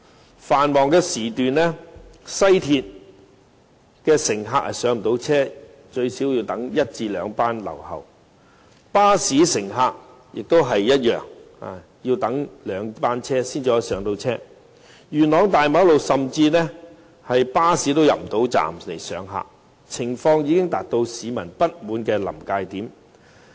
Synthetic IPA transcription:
faː˨nmɔː˨ŋkɛː˧siː˨˩t̪yː˨nlɛ˥sɐ˥jt̪ʰiː˧t̚ | kɛː˧sɪ˨˩ŋɦaː˧k̚hɐ̰˨jsœː˨˥ŋm̩˨˩t̪o˨˥wt͡sʰɛː˥ | t͡ʃɵ˧ɥsiː˨˥wji˧wt̪ɐ˨˥ŋjɐ˥t̚t͡siː˧lœː˨˧ŋpaː˥nlɐ̰˨˩whɐ̰˨˩w | paː˥siː˨˥sɪ˨˩ŋɦaː˧k̚ | jɪ˨k̚t̪o˥wɦɐ˨jːɐ˥t̚jœ̰ː˨˩ŋ | a̰˨ | ji˧wt̪ɐ˨˥ŋlœː˨˧ŋpaː˥nt͡sʰɛː˥siː˥nt͡si˨˥˧sœː˨˥ŋt̪o˧wt͡sʰɛː˥ | jyː˨˩nlɔː˨˧ŋt̪aː˨jma˨˥wlo˨wsɐ˨mt͡siː˧nɛː˥ | hɐ˨jpaː˥siː˨˥t̪̬o˥wjɐ̰˨p̚m̩˨t̪o˨˥wt͡sa̰ː˨mle˨˩jsœː˨˧ŋɦa̰ː˧k̚ | t͡sʰɪ˨˩ŋfɔː˧ŋjiː˨˧kɪ˥ŋt̪aː˨k̚t̪o˧wsiː˨˧mɐ˨˩npɐ˥t̚muː˨˥nkɛː˧lɐ̰˨˩mkaː˧jt̪iː˨˥m

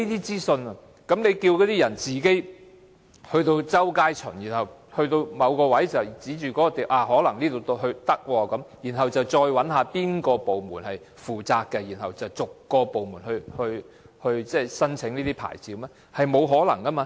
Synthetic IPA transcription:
iː˥t̪iː˥t͡siː˥sɵ˧nɐ˧ | kɐ˨˥mne˨˧jkiː˧wkɔ˨˧˥t̪iː˥jɐ˨˩nt͡siː˨ke˥j | hɵ˧ɥt̪o˧wt͡sɐ˥wkaː˥jt͡ʃʰɵ̰˨˩njiː˨˩nhɐ˨whɵ˧ɥt̪o˧wmɐ˨˧wkɔː˧wɐ˨˥jt͡sɐ˨˩wt͡siː˨˥t͡ʃyː˨kɔː˨˥kɔ˧t̪iː˨˩wʔaː˧˩ɦɔː˨˥lɐ˨˩ŋniː˥t̪o˧wt̪o˥ɦɵ˧t̪ɐ˥k̚wɔː˧kɐ˨˥mjiː˨˩nɦɐ˨wt͡sɐ˨wt͡sɔː˧jwɐ˨˥nhaː˨˧piː˥nkɔː˧po˨wmuː˨˩nhɐ˨j | fuː˨˩t͡saː˧k̚kːɛ˧jiː˨˩nhɐ˨wt͡sɐ˨wt͡sʊ˨kːɔː˧po˨wmuː˨˩nhɵ˧hɵ˧ɥ | hɵ˧ɥt͡sɛː˥˩sɐ˥nt͡sʰɪ˨˥ŋniː˥t̪iː˥pʰa̰ː˨˩jt͡siː˨˥wmɛː˥ | hɐ˨jmo˨˧wɦɔː˨˥lɐ̰˨˩ŋkɐː˥maː˧

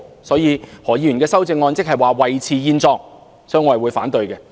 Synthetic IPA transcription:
sɔː˨˥jiː˨˧hɔː˨˩jiː˧jy˨˩kɛː˧sɐ˥wt͡sɪ˧ŋːɔː˧nt͡sɪ˥k̚hɐ˨jwaː˨wɐ˨jt͡sʰiː˨˧jiː˧nt͡sɔː˧k̚ | sɔː˥ŋɔː˨˧˨jwuː˨˧jfa̰ː˨˥nt̪ɵ˨ɥjkɛ˧

